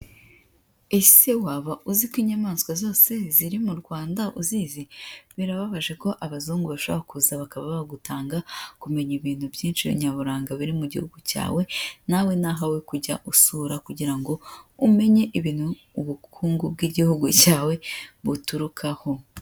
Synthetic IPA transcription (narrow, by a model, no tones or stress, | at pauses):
e̞se̞waβaʔuzikwiɲamaːnsɡwazo̞ːse̞ziɾimuɾɡwaːndaʔuziziβiɾaβaβaʒe̞ko̞ʔaβazuːŋɡuβaʃoβakuzaβakaβaβaβaɡutaːŋɡakume̞ɲiβiːn̥hubjiːnʃiβḭɲaβuɾaːŋɡaβiɾimuɟḭhuɡuca̰ːwe̞nawe̞naɦawekuɟaʔusuːɾakuɟiɾaŋɡo̞ume̞ɲe̞ʔiβiːn̥huː | βukʰuːŋɡub̚ɡiɟihuɡucaːwe̞βutuɾukʰaho̞